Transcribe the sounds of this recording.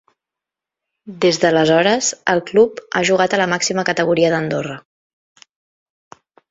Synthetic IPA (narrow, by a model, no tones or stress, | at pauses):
d̪ezðələzɔɾəzəlˠklupaʒuɣ̞at̪ələmaksiməkət̪əɣ̞uɾiəðənd̪orə